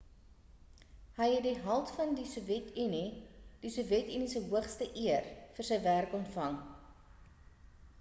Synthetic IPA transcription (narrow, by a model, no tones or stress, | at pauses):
ɦəjɦɛt̚diɦɐlˠtfɐndisuvjɛtinid̥isuvjɛtinisəɦuəχstəʔiərfərsəjværkɔntfɐŋ